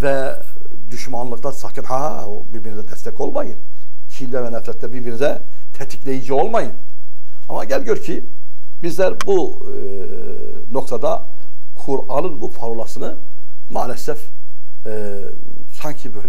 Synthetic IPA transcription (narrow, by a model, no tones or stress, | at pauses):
vɛ | d̪yʃmanlˠɯkt̪ˠasakʰɯnha | obiɾbinizɛd̪ɛst̪ɛco̞lˠmajɯn | cʰind̪ɛvɛnɛfɾɛt̪ʰːɛbiɾbiɾnizɛ | t̪ʰɛt̪ʰi̥clʲejid͡ʒio̞lˠmajɯn | ama̰ɟælʲɟjøɾcʰi | bizlʲæɾbu | no̞kt̪ʰad̪a | kʰuɾalˠɯnbupʰaɾolˠasɯnɯ | ma̰ːlʲɛsɛf | saɲcʰibøjlʲɛ